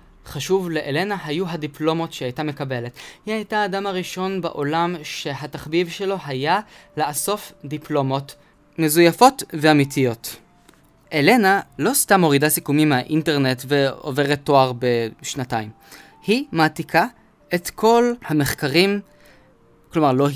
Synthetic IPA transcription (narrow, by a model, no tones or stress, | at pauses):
χaʃuvle̞ʔele̞naɦajuɦadiplo̞mo̞tʃehajtame̞kabe̞le̞thihajtaːdamaʁiʃo̞nbaʔo̞lamʃe̞ɦataχbivʃe̞lo̞ɦajalaaso̞fdiplomo̞t | me̞zujafo̞tveamitijo̞t | ʔele̞nalo̞stamːo̞ʁidasikumimeaʔinte̞ʁne̞tve̞o̰ve̞ʁet̪ːo̞aʁbe̞ʃnataim | himaːtikʰa | e̞tkʰo̞lhame̞χkaʁim | klo̞maʁlo